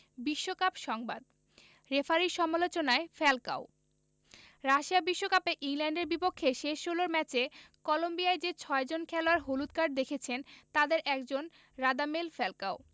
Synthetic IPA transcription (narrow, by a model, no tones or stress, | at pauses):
biʃːokapʃɔŋbad̪ | ɾefaɾiʃɔmalot͡ɕonaefɛlka̰o | ɾaʃiabiʃːokapeʔiŋlɛɳɖeɾbipokʰːeʃeʃːoloɾmɛt͡ɕekɔlombiaed͡ʑet͡ɕʰɔed͡ʑonkʰɛloaɾɦolut̪kaɖ̚d̪ekʰet͡ɕʰent̪ad̪eɾʔɛkd͡ʑon | ɾad̪amelfɛlkao